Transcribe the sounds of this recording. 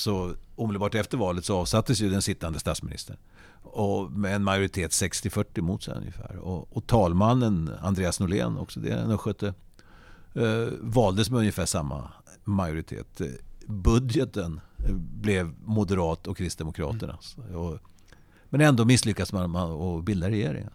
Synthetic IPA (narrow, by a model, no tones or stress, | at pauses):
sɔuːmɪd̪bɑːʈɛft̪əɾvɑːlət̪sɔɑːvsat̪ːəsjɵd̪ɛnsɪt̪ːand̪əst̪at̪smɪnɪ̰st̪əɳ | ɔmɛːnmajʊɾɪt̪ʰeːt̪sɛkst̪ɪfœʈːɪmuːt̪sɛ̰nɵ̰njə̰fæ̰ːɾɔɔt̪ʰɑːlmanːəna̰nd̪ɾeːasnʊlḛːnɔ̰ksɔd̪ɛ̰nɔɧœt̪ʰːə | vɑːld̪əsmɛɵnjəfæːʂamːa̰ | majʊɾɪt̪ʰḛːt̪bɵd̪jɛt̪ənblɛvmʊd̪əɾɑːt̪ɔkʰːɾɪst̪̚d̪ɛmʊkʰɾɑ̰ːt̪əɳa̰ɔ | mɛnɛnd̪oːmɪsːlʏkːadsmanmanɔbɪld̪aɾɛjeːɾɪ̰ŋə̰n